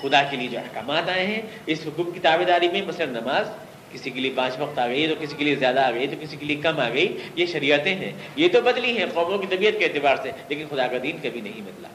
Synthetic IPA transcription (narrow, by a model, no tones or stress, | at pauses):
xʊd̪akelied͡ʒoːɐ̰hkaːmaːt̪aːẽɦɛ̃ | ɪsɦʊkuːqːit̪aːbed̪aːɾimẽmɐslɐɾnɐmaːz | kɪsikeliepãːt͡ʃʋɐqt̪aːɡɐit̪okɪsikeliezjaːd̪aːɡɐit̪okɪsikeliekɐmaːɡɐijeʃɐɾiːət̪ẽɦɛ̰̃ | jet̪obɐd̪liɦɛ̃qɔːmõkit̪ɐbiːət̪keɛːt̪ɪbaːɾseleːkɪnxʊd̪aːkad̪iːnkɐbʱinɐɦĩmɪt̪la̰ː